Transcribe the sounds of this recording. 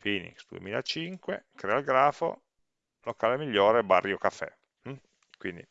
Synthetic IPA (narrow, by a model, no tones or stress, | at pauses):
fiːnḭksd̪uḛmiːlaet͡ʃiŋkwḛkɾɛːalɡɾaːfo̰ | lokaːlemiʎːoːɾebarːjokafɛ̰ | m̩ | kwind̪i